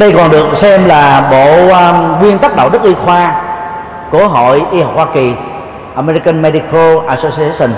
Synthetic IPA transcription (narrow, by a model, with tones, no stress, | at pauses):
ɗə˧jkɔ˨˩nɗɨ˨˩ək̚sɛ˧mlaː˨˩ɓo̰˧˨˧ɣwi˧ənt̪a˦˥k̚ɗə̰˧˨wɗɨ˦˥k̚ʔi˧xwaː˧ | ku˧˩əɦo̰˧˨jʔi˧ha˨˩wk͡phwaː˧ki˨˩ | ʔa˧mɛ˧ɾi˧kə˧nmɛ˧ɗi˧kə˧ʔaː˧so˧si˧˦˥ə˨˩n